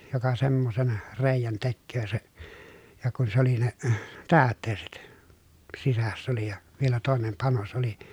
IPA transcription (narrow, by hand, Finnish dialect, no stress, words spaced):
jokɑ semːosen reˑi̯jæn tekːøː se jɑ kun se oli ne tæːtˑeːset sisæsː oli jɑ ʋielæ toˑenem pɑnos oli